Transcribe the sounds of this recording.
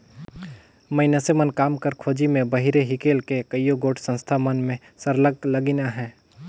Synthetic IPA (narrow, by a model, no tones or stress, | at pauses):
məɪnəsemənkaːmkəɾkʰoːd͡ʒimẽbəɦiɾeɦɪkeːlkekəijoɡoːʈʰsə̃nst̪ʰamənmẽ | səɾləɡ̚ləɡinaɦɛ̃ː